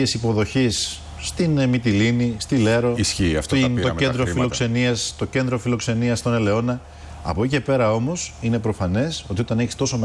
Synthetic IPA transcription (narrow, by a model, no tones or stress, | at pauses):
esipo̞ðo̞çisː | t̪inmit̪ilinist̪ile̞ɾo̞isçiɐ̰ft̪oome̞nd̪ɾofilo̞kse̞niɐst̪o̞ce̞nd̪ɾo̞filo̞kse̞niɐst̪o̞ne̞le̞o̞nɐ | ɐ̰poice̞pe̞ɾɐo̞mo̞sine̞pɾo̞fɐne̞so̞t̪io̞t̪ɐneçist̪o̞so̞me